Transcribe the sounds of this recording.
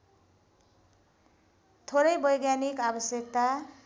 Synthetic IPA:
t̪ʰoɾʌjbʌjɡjanikabʌsjʌkt̪a

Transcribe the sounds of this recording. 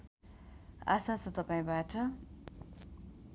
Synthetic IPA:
a̰sat͡sʌt̪ʌpaĩbaʈʌ

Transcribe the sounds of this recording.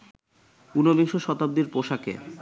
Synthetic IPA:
unobiŋʃoʃɔt̪ab̚d̪iɾpoʃakḛ

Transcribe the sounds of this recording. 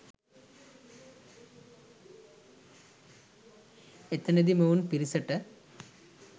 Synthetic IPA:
et̪ːɐned̪imɐʋunpiɾisɐʈːɨ

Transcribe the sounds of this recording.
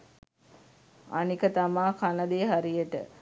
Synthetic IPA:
a̰nikət̪amaːkʰanəd̪eːɦaɾijəʈə̰

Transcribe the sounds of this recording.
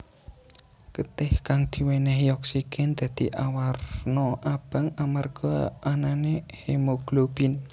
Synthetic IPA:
kət̪ɪhkaŋd̪̥i̤wenɛɦijɔk̚sikɪnd̪̥ä̤d̪̥iʔawarnɔʔab̥a̤ŋamarɡ̥ɔananehemoɡ̥lob̥in

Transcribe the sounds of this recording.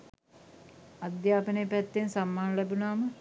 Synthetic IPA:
ad̪jaːpənejpæt̪ːensamːaːnɐlɛbunaːmə

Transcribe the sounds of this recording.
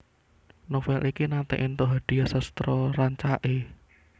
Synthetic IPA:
nofɛlʔikinat̪ɛ̰ʔint̪oɦaɖ̪̥i̤jasəst̪ɾɔraɲt͡ʃaʔe

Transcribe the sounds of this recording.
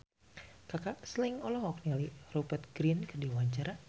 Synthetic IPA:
kakasliŋɔlɔɦɔknalirɔbərt̪̚ɡɾinkərdiwaɲt͡ʃaɾa

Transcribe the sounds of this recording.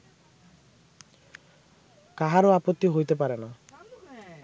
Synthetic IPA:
kaɦaɾoapot̪ːiɦojt̪epaɾena

